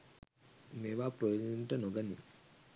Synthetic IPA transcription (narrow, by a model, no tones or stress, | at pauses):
meːʋaːpɾojod̪unʈənoɡənḭ